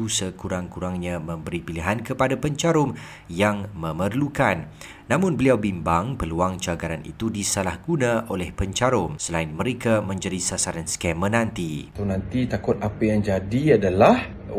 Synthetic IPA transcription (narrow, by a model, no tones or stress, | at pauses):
usəkuɾaŋkuɾaŋɲãmə̃mbəɾipiliɦankəpadapəɲt͡ʃaɾʊm | jaŋmə̃mərlukanː | ãmʊ̃nbəliawbimbaŋpəluaŋt͡ʃaɡaɾanḭt̪udisalahɡunãʔolɛhpəɲt͡ʃaɾʊmsəlaɪnmə̃ɾekamə̃ɲd͡ʒadisasaɾanskɛmə̃nãnt̪itonãnt̪it̪akʊt̪̚apajaŋd͡ʒadiadalah